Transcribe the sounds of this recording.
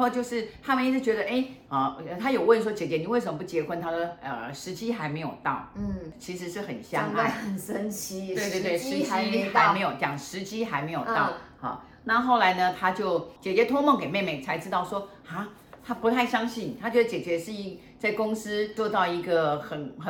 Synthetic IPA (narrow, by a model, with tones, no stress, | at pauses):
o˥˧ʊt͡ɕjo˥˧ʊʂɻ̩˥˩t̪ʰa˥mə˨ni˥˧t͡sʰɻ̩˥˩t͡ɕɥɛ˧˥d̪ə˨ʔe˥ɪɐ˥˩ə˧˩t̪ʰa˥jo˨˩ʊwə˥˧˩nʂ̬wɔ˥t͡ɕjɛ˨˩t͡ɕjɛ˧˥ni˨˩we˥˩ɪʂə˧˥mə˧p̬u˧˩t͡ɕjɛ˧˥xwə˧˥nt̪ʰa˥d̪ə˨ə̰˨˩ʂɻ̩˧˥t͡ɕi˥xa˧˥ɪme˧˥ɪjo˨˩ʊt̪ɑ̰˥˩ʊ˥t͡ɕʰi˧˥ʂɻ̩˧˥ʂɻ̩˥˩xə̰˨˩nɕjɑ˥ŋa˥˩˥xə˨nʂə˥nt͡ɕʰi˥we˥˧t̪we˥˧t̪e˥˩˨ʂɻ̩˧˥t͡ɕi˥xa˧˥˧ɪme˧˥ɪjo˨˧˩ʊt͡ɕjɑ˨˩ŋʂɻ̩˧˥t͡ɕi˥xa˧˥ɪme˧˥ɪjo˨˩t̪ɑ˥˩ʊxɑ̰˥˩ | na˥˧xo˥˩ʊla˧˥ɪnə˧t̪ʰa˥t͡ɕjo˥˩ʊt͡ɕjɛ˨˩t͡ɕɥɛ˧˥t̪ʰʊ˥ŋmɑ˥˩ŋke˨˩ɪme˥˧ɪme˥˩ɪt͡sʰa˧˥ɪʈ͡ʂɻ̩˥t̪ɑ˥˩ʊʂwɔ˥ | xa˥˩ | t̪ʰa˥pu˧˥t̪ʰa˥˩ɪɕjɑ˥ŋɕi˥˩n˩t̪ʰa˥t͡ɕɥjd̪ə˧t͡ɕjɛ˨˩t͡ɕɥɛ˧˥ʂɻ̩˥˧i˧˩ | t͡sa˥˩ɪkʊ˥ŋsɹ̩˥t͡swɔ˥˧t̪ɑ˥˩ʊi˧˥ɡə˧xə˨˩nxə˨˩